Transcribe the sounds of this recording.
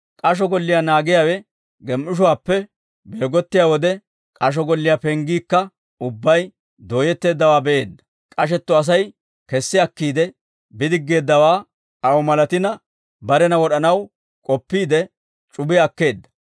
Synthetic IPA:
kʼɐʃ̬ɔɡɔlːɪjaːnaːɡɪjaːwɛ | ɡɛmʔɪʃ̬ʊwaːpːɛ | be̞ːɡɔt̪ːɪjaːwɔd̪ɛ | kʼɐʃ̬ɔɡɔlːɪjapɛŋɡiːkːɐ | ʊbːɐj | d̪o̞ːjɛt̪ːe̞ːd̪ːɐwaːbɛʔe̞ːd̪ːɐ̥ | kʼɐʃɛt̪ːɔɐs̬ɐj | kɛsːɪɐkːiːd̪ɛ | bɪd̪ɪɡːe̞ːd̪ːɐwaː | ɐwɔmɐlɐt̪ɪnɐ | bɐɾɛnɐwɔɗɐnɐw | kʼɔpːiːd̪ɛ | t͡ʃʼʊbɪjɐkːe̞ːd̪ːɐ̥

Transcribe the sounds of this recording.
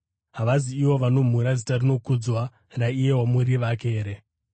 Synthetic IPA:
ɦaʋaziiwo̞ʋano̞m̤uɾad͡zitarino̞kud͡zwa | raije̞ɦwamuɾiʋake̞ːɾe̞

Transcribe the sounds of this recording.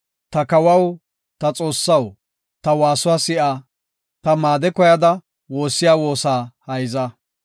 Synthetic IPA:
t̪ɐkɐwɐw | t̪ɐt͡sʼo̞ːsːɐw | t̪ɐwaːsʊwaːsɪʔaː | t̪ɐmaːd̪ɛkɔjɐd̪ɐ | wo̞ːsːɪjaːwo̞ːsaːhɐjzɐ

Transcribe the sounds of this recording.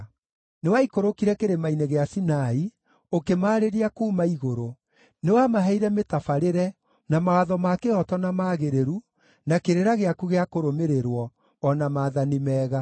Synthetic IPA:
newaikoɾokiɾɛkeɾemaineɣeasinai | okemaːɾeɾiakuːmaiɣoɾo | newamaɦɛiɾɛmetafaɾeɾɛ | namawaðɔmakeɔtɔnamaːɣeɾeɾu | nakeɾeɾaɣeakuɣeakoɾomeɾeɾwɔː | namaːðanimɛːɣa

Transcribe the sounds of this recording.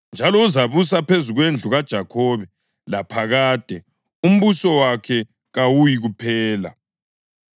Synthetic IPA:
nd͡ʒʱalɔuzaβus̬apʰezuɣwend͡ɮʱuɣad̥ʒ̥ʱakʰɔβɛ | lapʰaɣaːd̥ʱɛ | um̩βusɔwakʰɛ | ɣawujiɣupʰɛːla̰

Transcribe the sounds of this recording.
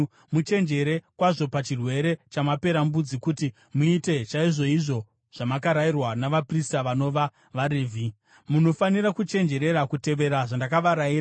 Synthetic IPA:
mut͡ʃe̞nd͡ʒe̞ɾe̞kwaʐo̞pat͡ʃirwe̞ɾe̞t͡ʃamape̞ɾambud͡zikuti | muite̞t͡ʃaiʐo̞iʐo̞ | ʐ̥amakaɾairwanaʋapristaʋano̞ʋa | ʋaɾivʱi | muno̞faniɾakut͡ʃe̞nd͡ʒe̞ɾe̞ɾakute̞ʋe̞ɾaʐandakaʋaɾaiɾa

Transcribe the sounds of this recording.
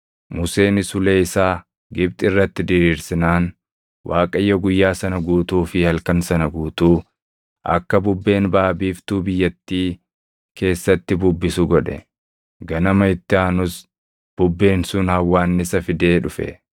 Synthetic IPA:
mʊse̞ːnɪsʊleːɪsaː | ɡɪb̚t̪ʼɪrːɐt̪ːɪd̪ɪɾiːɾsɪnaːn | wʔaːkʼɐjːɔɡʊjːaːsɐnɐɡuːt̪uːfɪhɐlkɐnsɐnɐɡuːt̪uː | ʔɐ̰kːɐbʊbːe̞ːnbaːbiːft̪uːbɪjːɐt̪ːiː | kʰe̞ːsːɐt̪ːɪbʊbːɪsʊɡɔᶑɛ̰ | ɡɐnɐmɐɪt̪ːɪaːnʊs | b̥ʊbːe̞ːnsʊnhɐwːaːnːɪsɐfɪd̪e̞ːᶑʊfɛ̰

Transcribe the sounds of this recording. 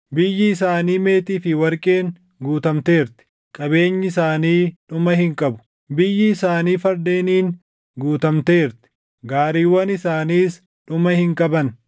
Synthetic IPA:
bɪjːɪɪsaːniːme̞ːt̪iːfɪwɐɾkʼeːŋ | ɡuːt̪ɐmt̪e̞ːɾt̪ɪ̥ | kʼɐbe̞ːɲːɪsaːniːᶑʊmɐhɪŋkʼɐbʊ̥ | bɪjːɪːsaːniːfɐɾd̪e̞ːniːn | ɡuːt̪ɐmt̪e̞ːɾt̪ɪ̥ | ɡaːɾiːwɐnɪsaːniːs | ᶑʊmɐhɪŋkʼɐbɐn

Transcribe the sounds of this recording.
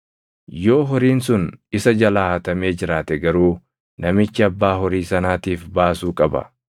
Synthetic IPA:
jo̞ːɦɔɾiːnsʊnɪsɐd͡ʒɐlaːhɐt̪ɐme̞ːd͡ʒɪɾaːt̪ɛɡɐɾuː | nɐmɪt͡ʃːɪɐbːaːɦɔɾiːsɐnaːt̪iːfbaːsuːkʼɐbɐ̰

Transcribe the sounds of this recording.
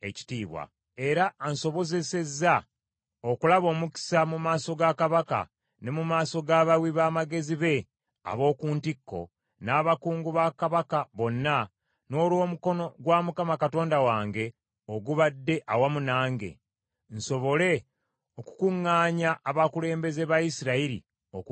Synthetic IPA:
e̞̰ci̥tiːβwa̰ | e̞ɾaːnso̞βo̞ze̞se̞zːa | okulaβo̞ːmuki̥samumaːso̞ɡakaβaka̰ | ne̞mumaːso̞ɡaːβawiβaːmaɡe̞ziβe̞ | a̰βo̞ːkuːntikːo̞̰ | naːβakuːŋɡuβakaβakaβo̞nːa | no̞ːlwo̞ːmuko̞no̞ɡwamukamakato̞ːndawaːŋɡe̞ | oɡuβadːe̞ʔawamunaːŋɡe̞̰ | nso̞βo̞le̞ | oku̥kuŋːaːɲaʔːβakule̞ːmbe̞ze̞βajisiɾaiɾḭ | ok

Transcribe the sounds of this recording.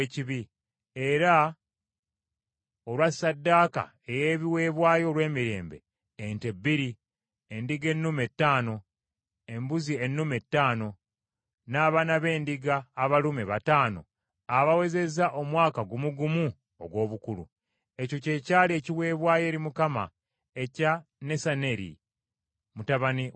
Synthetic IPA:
eciβi | e̞ɾa | olwasːadːaːka̰ | ejeːβiwe̞ːβwaːjo̞lwe̞ːmiɾe̞̰ːmbeː | ntebːiɾi | endiɡe̞nːume̞tːaːno̞ | e̞mbuzie̞nːume̞tːaːno̞ | naːβanaβe̞ːndiɡaːβalumeβataːno̞̰ | aβawe̞ze̞zaʔo̞mwaːkaɡumuɡumu | o̰ɡwo̞ːβukulṵ | e̞co̞ce̞ːcaːlie̞ːciwe̞ːβwaːje̞ːɾimukama̰ | e̞cane̞sane̞ɾḭ | mutaβani

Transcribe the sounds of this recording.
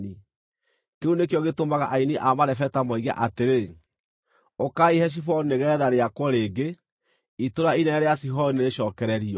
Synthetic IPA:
ni | keunekjɔɣetomaɣaʔainiʔamaɾɛfɛtamɔiɣa̰ʔateɾe | okaihɛʃ̬ifɔnneɣɛːðaɾeakwɔɾeːɡe | itoɾainɛɾeasiɦɔneɾeʃɔːkɛɾɛɾiɔ

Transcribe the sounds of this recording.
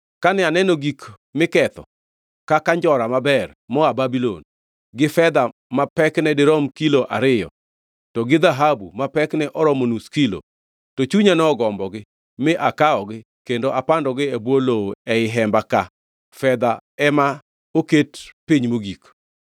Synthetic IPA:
kanɪanɛnoɡik | mɪkɛt̪ɔ̰ | kakaɲd͡ʒɔɾamabɛr | mɔababilo̰n | ɡɪfɛd̪a | mapɛknɛdɪɾɔmkiloʔa̰ɾɪjɔ̰ | tɔɡɪd̪aɦabumapɛknɛʔɔɾɔmonuskilo̰ | tot͡ʃuɲanɛɔɡɔmbɔɡɪ | mɪʔakaɔɡɪ | kendoʔapandɔɡɪɛbwoloɛɪɦɛmbaka | fɛd̪aɛma | oketpiɲmoɡik

